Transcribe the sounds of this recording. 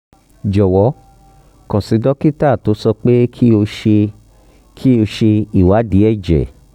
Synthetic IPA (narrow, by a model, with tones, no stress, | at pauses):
d͡ʒɔ˨wɔ˨˦ | kɔ̃˨si˨˧dɔ˦ki˦ta˦˨to˨˦sɔ˧k͡pe˦kʰi˦o˧ʃe˧ | kʰi˦o˧ʃe˧i˨wa˨˦di˨˦ɛ˦˨d͡ʒɛ̰˨